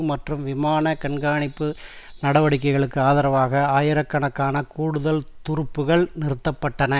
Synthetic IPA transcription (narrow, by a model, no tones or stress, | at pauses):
mɐʈrɯmʋɪmaːnɐkɐɳɡaːɳɪpːɯ | nɐɽɐʋɐɽɪkːɐɪɣɐɭɯkːɯaːðɐɾɐʋaːɣɐaːjɪɾɐkːɐɳɐkːaːnɐkuːɽɯðɐlt̪ʊɾɯpːɯɣɐɭnɪɾɯt̪ːɐpːɐʈːɐnɐ